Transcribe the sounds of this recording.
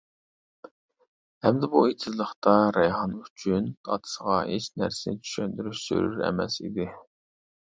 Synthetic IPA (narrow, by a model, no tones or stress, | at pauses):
hæmd̪ɛbuet̪ʰɪzlˠəχt̪ɑɾɛjɦɑnyt͡ʃʰynd̪ʰɑ̰t̪ʰɨ̥səʁɑeʃnæ̰ɾsɪnɪt͡ʃʰy̥ʃønd̪yɾyʃsø̰ɾyɾɛ̰mɛ̰sḭd̪ɪ